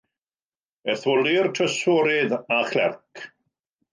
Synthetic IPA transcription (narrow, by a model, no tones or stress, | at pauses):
ɛθʊlɪrtʰəsɔɾɪðaχlɛ̰rkʰ